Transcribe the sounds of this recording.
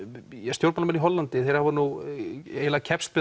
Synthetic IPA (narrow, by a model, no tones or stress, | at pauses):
ɛst̪jowɾpmalamɛniɦɔlːant̪ɪθejɾ̥havaɾnu | ejlacʰɛpst̪̚pɪ